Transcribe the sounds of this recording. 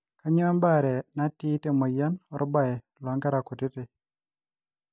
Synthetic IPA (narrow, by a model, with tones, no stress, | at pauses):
ka˦ɲɔ˦a˦mba˦˨ɾɛ˨na˦tɪ˦te˦mɔ˨ja˦nɔ˦ɾba˦˨ɛ˨ | lwa˦ŋɡa˦ɾa˨ko˨tɪ˦tɪ˨